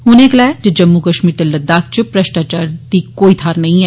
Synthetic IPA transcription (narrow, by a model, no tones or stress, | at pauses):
ɦʊneklɛːd͡ʒəd͡ʒɐmːukəʃmiːɾt̪eləd̪ːaːk̚t͡ʃəpɾɐʃʈaːt͡ʃaːɾd̪ikoːit̪ʰaːɾnɐɦĩɛː